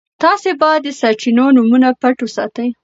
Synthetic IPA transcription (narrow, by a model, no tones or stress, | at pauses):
t̪ɑsebɑjad̪ːəsaɾt͡ʃinonumunapaʈwosɑ̰t̪əj